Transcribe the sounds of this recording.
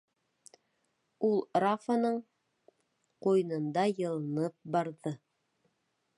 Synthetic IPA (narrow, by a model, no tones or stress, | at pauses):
ulˠɾafanɤɴ | qujnɤ̆nd̪ɑjɤ̆lˠɤ̆nɤp̚bɑɾðɤ